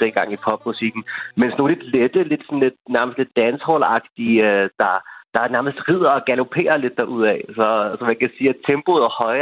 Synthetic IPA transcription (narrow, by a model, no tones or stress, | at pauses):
d̥enɡ̥ɑ̈ŋ̰ipʰɒ̽b̥̚musiɡ̥n̩mensno̝ːnled̥led̥əle̝d̥sɔ̽n̩le̝d̥næɐməsd̥le̝d̥ːænshɔlɑ̈ɡ̥̚d̥iød̥ɑ̈d̥ɑ̈æɐnæɐməsd̥ʁið̞̰ˠɐɒ̽ɡ̥ælo̝pʰe̝̰ːɐle̝d̥ːɑʔuð̞̰ˠɛsɒ̽sɒmækʰæsiːæt͡sʰemb̥oð̩ˠɐhɒ̽ɪ